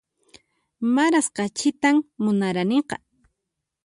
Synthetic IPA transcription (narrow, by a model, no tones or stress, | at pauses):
maɾasqɑt͡ʃɪt̪ammʊnaɾaneqɑ